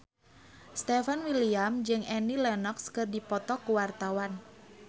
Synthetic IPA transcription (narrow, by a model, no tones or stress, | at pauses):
st̪ɛfanwiliamd͡ʒɨŋɛnilɛnɔkskɨrdipɔt̪ɔkuwart̪awan